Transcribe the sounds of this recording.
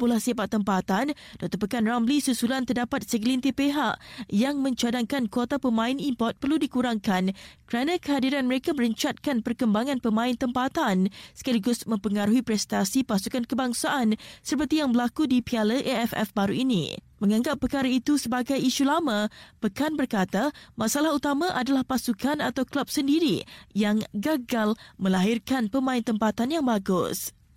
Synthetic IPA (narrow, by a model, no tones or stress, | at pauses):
pulahsabat̪ːəmpat̪an | dɔk̚t̪ɔpəkanramblisusulant̪ərdapat̪̚səɡəlint̪ipeɦaʔjaŋmə̃ɲt͡ʃadaŋkankot̪apəmãɪnimpɔrt̪̚pərludikuɾaŋkankəɾanãkəɦadiɾanməɾekaməɾəɲt͡ʃat̪̚kanpərkəmbaŋãnpəmãɪnt̪əmpat̪ansə̥kaliɡʊsmə̃mpəŋaɾuɦipɾɛst̪asipasukankəbaŋsaʔansəpərt̪ijaŋbəlakudipialəʔeɛfɛ̰fbaɾuinḭmə̃ŋãŋɡapːəkaɾait̪usəbaɡajiʃulamãpəkanbərkat̪amãsalahut̪amãʔadalahpasukanat̪awklap̚səndiɾḭjaŋɡaɡalmə̃laɦɪrkanpəmãɪnt̪əmpat̪anjaŋbaɡʊ̰s